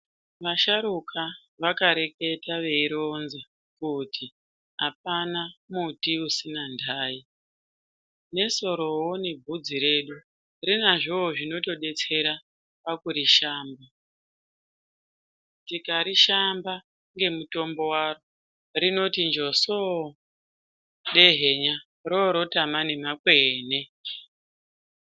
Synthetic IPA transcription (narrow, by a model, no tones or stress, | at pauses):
ʋaʃaɾukʰa | ʋakaɾe̞ke̞taʋe̞iɾonze | kutʰi | ɦap̚anamutiusinandʱaːi | ne̞so̞ɾo̞wone̞bʱud͡ziɾe̞ɗu | rinaʐoːʐino̞to̞ɗe̞t͡se̞ɾa | pakuɾiʃaːmba | tikaɾiʃamba | ŋɡe̞muto̞mbo̞waro | rino̞tind͡ʒo̞so | ɗe̞ɦe̞ɲa | roɾo̞tamanemakweːne̞